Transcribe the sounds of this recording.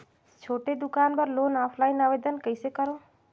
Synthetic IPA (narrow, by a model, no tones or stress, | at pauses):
t͡ʃʰoːʈed̪ukaːnbəɾloːnapʰlaːjinaʋed̪ənkəjsekəɾõ